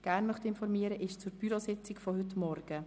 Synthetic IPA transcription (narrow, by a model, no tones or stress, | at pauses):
ɡ̥æːɾnmœχt̪ɪnfɔɾmiəɾəʔɪʃt͡suɾb̥yɾosɪt͡sɪkfɔhʏtmɔɾɡ̥ə